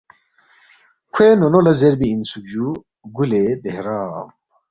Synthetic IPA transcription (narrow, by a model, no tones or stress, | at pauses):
kʰeːnonolɐzɛɾbiːnsukd͡ʒu | ɡuled̪ehɾaːm